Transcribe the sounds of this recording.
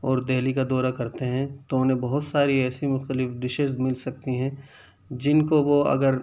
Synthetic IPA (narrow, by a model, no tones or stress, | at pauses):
ɔːɾd̪eɦlikad̪ɔːɾakɐɾt̪eɦɛ̃t̪oʊnẽbɐɦʊt̪saːɾiɛːsimʊxt̪əlɪfɖɪʃezmɪlsɐk̚t̪iɦɛ̃ | d͡ʒɪnkoʋoɐ̰ɡəɾ